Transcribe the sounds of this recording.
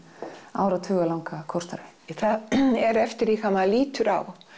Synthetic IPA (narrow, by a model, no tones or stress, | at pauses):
a̰ːwɾat̪ʰvʏːɣalawŋkakʰɔwrst̪aɾejθaðɛɾɛft̪ɪɾikamaðliːt̪ʏɾaw